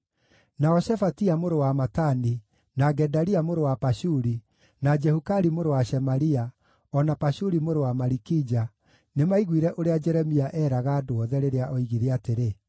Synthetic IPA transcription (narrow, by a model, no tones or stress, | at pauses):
naɔɕɛfatiamoɾowamatani | naɡɛdaɾiamoɾowapaʃuɾi | nad͡ʒɛhukaɾimoɾowaʃɛmaɾia | ɔnapaʃuɾimoɾowamaɾikid͡ʒa | nemaiɣwiɾɛʔoɾead͡ʒɛɾɛmiaʔɛɾaɣaːdoɔðɛɾeɾeaʔɔiɣiɾeateɾe